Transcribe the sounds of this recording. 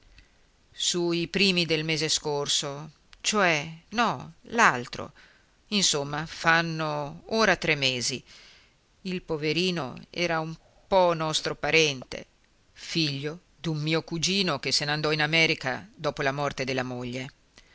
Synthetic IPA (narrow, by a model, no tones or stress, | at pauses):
suipɾiːmid̪elmeːzeskorso | t͡ʃoɛnɔlalt̪ɾo̰ | insomːafanːooːɾat̪ɾemːeːzi | ilpoveɾiːno̰ɛ̰ːɾaum | pɔnɔst̪ɾopaɾɛnt̪ḛ | fiʎːo | d̪ummiːokud͡ʒiːnok̟esenand̪ɔinamɛːɾika̰d̪ɔːpolamɔrt̪ed̪elːamoʎːe